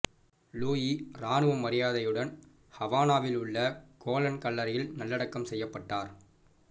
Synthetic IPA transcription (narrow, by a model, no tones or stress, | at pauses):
luːjiɾaːnɯʋɐmːɐɾɪjaːðɐjɯɽɐn | hɐʋaːnaːʋɪlɯɭːɐkoːlɐnkɐɭːɐɾɐjɪlnɐlːɐɽɐkːɐmsɛjːɐpːɐʈːaːɾ